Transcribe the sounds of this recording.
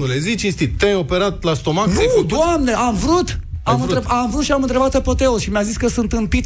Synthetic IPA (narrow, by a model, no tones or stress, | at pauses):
ulezit͡ʃist̪it̪t̪ːajo̞pe̞ɾat̪last̪o̞manud̪oamne̞ʔamvɾut̪amɨnt̪ɾeamvɾut̪ʃiamɨnt̪ɾe̞bat̪pepo̞t̪e̞olʃimjaziskəsunt̪ɨnpit̪